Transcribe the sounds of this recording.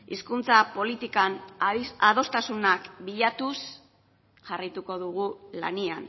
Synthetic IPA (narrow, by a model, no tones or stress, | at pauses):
iskunt͡sapo̞lit̪ikanað̞o̞st̪asunakbiʎat̪us | ʝarajt̪uko̞ðuɣula̰nian